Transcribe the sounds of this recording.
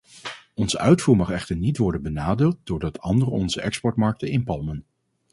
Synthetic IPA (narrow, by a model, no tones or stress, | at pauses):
ɔnzəʔœɥtfuːɹmɑχɛχtəɹnitʋɔɹdənbənaːdɪːlˠt̚dʊːɹdɑtʰɑndərəɔnzəʔɛkspɔɹtmɑɹk̚təɪnpɑlˠmən